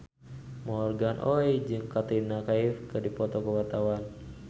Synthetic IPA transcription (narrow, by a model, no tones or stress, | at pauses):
mɔrɡanʔɔjd͡ʒɨŋkat̪inakaifkɨrdipɔt̪ɔkəwat̪awan